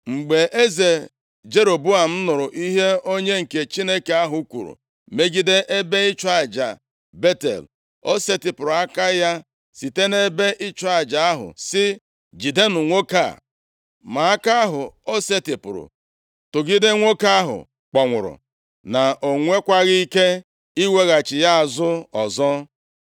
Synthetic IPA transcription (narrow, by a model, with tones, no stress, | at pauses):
ŋ͡m̩˨ɡ͡be˨ʔe˦ze˨ | d͡ʒe˦ɾo˨bu˦a˨m̩˦nʊ˨ɾʊ˨ʔi˦ɦe˦o˦ɲe˦ŋ̩˨ke˨t͡ʃi˦ne˦ke˨a˦ɦʊ˨˦kʷṵ˨ɾṵ˨ | me˦ɡi˦de˦ʔe˦be˦ɪ˦t͡ʃa˨d͡ʒa̰˨ | be˦tḛ˨l | o˦se˦tɪ˨pʊ˨ɾʊ˨a˦ka˦ja˦ | si˨te˦ne˦be˦ʔɪ˦t͡ʃa˨d͡ʒa˨a˦ɦʊ̰˨sɪ˦ | d͡ʒi˨de˦nʊ˨ŋʷo˦ka̰˦˨ | ma˨a˦ka˦a˦ɦʊ˨o˦se˦tɪ˨pʊ˨ɾʊ̰˨ | tʊ˨ɡi˦dɪ˦ŋʷo˦ka˦a˦ɦʊ̰˨ | k͡pɔ˨ŋʷʊ˨ɾʊ̰˨ | na˨o˨ŋʷe˦kʷa˦ɣi˦i˦ke˦ | i˦we˦ɣa˨t͡ʃɪ˨ja˦a˨zʊ˦ɔ˨zɔ˦